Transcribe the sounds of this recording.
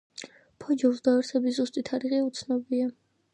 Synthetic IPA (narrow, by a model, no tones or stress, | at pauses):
pʰɔd͡ʒɔzd̪aɛɾsɛbizust̪ʼit̪ʰaɾiʁɛut̪sʰnɔbia